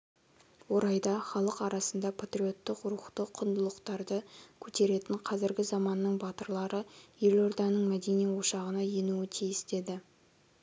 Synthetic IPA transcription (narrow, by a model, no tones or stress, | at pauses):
wo̞ɾɑjd̪ɑχɑlˠəqɑɾɑsənd̪ɑpʰat̪rio̞t̪ːəqʊɾuχt̪əqʰːʊnd̪əlˠəqt̪ɑɾd̪əkʲʰɵt̪e̞ɾe̞t̪ɪɴqʰɑzɪɾɡʲɪzɑmɑnːəɴbɑt̪əɾlˠɑɾəje̞lo̞ɾd̪ɑnəɴmæd̪e̞nijwo̞ʃɑʁənɑje̞nuɪt̪ʰijɪsd̪e̞d̪ɪ